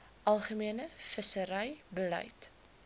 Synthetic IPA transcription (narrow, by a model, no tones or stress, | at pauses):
ʔɐlˠχəmiənəfəsəɾɛjbəlɛ̰jt